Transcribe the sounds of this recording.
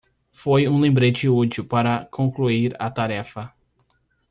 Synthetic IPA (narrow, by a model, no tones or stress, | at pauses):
fojũlẽmbɾet͡ʃɪut͡ʃiwpaɾɐkʰõkluiɾɐ̰t̪aɾɛfɐ